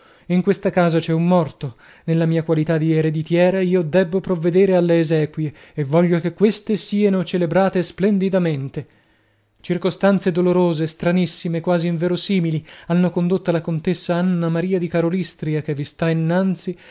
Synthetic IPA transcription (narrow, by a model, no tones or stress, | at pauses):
iŋkwest̪akaːzat͡ʃɛumːɔrt̪o | nelːamiːakwalit̪ad̪ieɾed̪it̪jɛːɾaiːod̪ɛbːopɾovːed̪eːɾealːeːzɛːkwieːvːɔʎːokekwest̪esiːanot͡ʃelebɾaːt̪esplɛnd̪id̪ament̪e | t͡ʃirkost̪ant̪sed̪oloɾoːzest̪ɾanisːimekwaːziːɱvɛːɾosiːmilianːokond̪ot̪ːalakont̪esːaanːamaɾiːad̪ikaɾolist̪ɾiakevːist̪ainːant̪si